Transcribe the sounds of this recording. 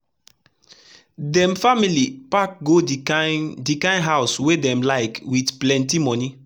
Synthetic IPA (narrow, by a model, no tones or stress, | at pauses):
dɛ̃mfamilipak̚ɡo | dikãɪ̃nɦaʊswedɛ̃mlaɪkwitplɛ̃ntimɔni